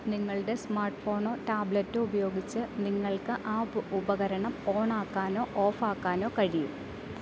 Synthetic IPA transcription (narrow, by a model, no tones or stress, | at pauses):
niŋːɐɭɨɽe̞smaːrʈfo̞ːɳo̞ːtaːblɐtːɨubɐjo̞ːɡit͡ɕːɨniŋːɐɭkɨʔaːubɐɣɐɾɐɳɐmoːɳaːkːaːno̞ːʔoːfaːkːaːno̞ːkɐɻijṵm